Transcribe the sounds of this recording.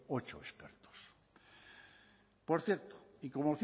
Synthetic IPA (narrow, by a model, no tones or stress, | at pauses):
ot͡ʃo̰espeɾt̪o̥s | poɾθjeɾt̪o̥iko̞moθ